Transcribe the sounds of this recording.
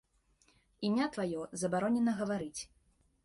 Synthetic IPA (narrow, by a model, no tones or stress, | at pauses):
imʲat̪vajɔzɐbaɾɔnʲɛnɐɣɐvaɾɨt͡sʲ